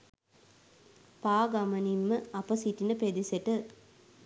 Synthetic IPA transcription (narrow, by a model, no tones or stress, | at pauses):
paːɡɐmɐnimːəɐpəsiʈinəped̪iseʈə